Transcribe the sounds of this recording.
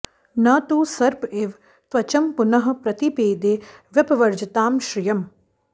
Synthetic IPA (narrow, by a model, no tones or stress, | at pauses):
naːt̪uːsɐɾpeːʋ | t̪ʋɐt͡ʃɐmpunɐɦɐ̆pɾɐt̪ipeːd̪eːʋjɐpɐʋɐɾd͡ʒɐt̪aːmʃɾijɐm